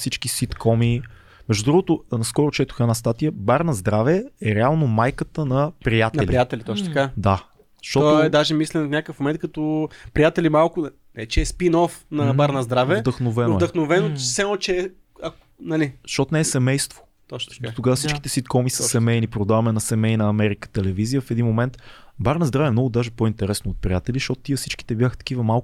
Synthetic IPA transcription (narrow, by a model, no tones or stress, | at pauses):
sit͡ʃk̟isit̪kʰɔmi | mɛʒd̪ud̪ɾuɡot̪ʊnɐskɔɾot͡ʃɛt̪o̥xɛnast̪at̪ijəbaɾnɐzd̪ɾavɛɛɾɛalˠnomajkət̪ənɐpɾijat̪ɛlpɾijat̪ɛlʲiɔt͡ʃt̪kad̪ḁ | ʃt̪ɔoɛd̪aʒɛmislɛnfnʲakəfmomɛnt̪̚kɐt̪opɾijat̪ɛlimalˠkʊ | nɛt͡ʃɛːspinɔfnɐbaɾnɐzd̪ɾavɛd̪əxnovɛnvoɛd̪əxnovɛnosɛmot͡ʃɛɛ | ɐk | nɐliʃt̪ɔt̪nɛːɛsɛmɛjst̪vo̥ | t̪ɔt͡ʃ̪dot̪oɡavəsit͡ʃkki̥t̪ɛsit̪̚kɔmisəsɛmɛjnipɾod̪avɐmɛnɐsɛmɛjnɐɐmɛɾikə̥t̪ɛlɛvizijəfɛd̪inmomɛnt̪baɾnɐzd̪ɾavəɛmnɔɡʊd̪aʒɛpoint̪ɛɾɛsnoot̪̚pɾʲijat̪ɛliʃt̪ɔt̪ʊ̥t̪iəfsit͡ʃki̥t̪ɛbjaxət̪ɐ̥k̟ivəmalˠk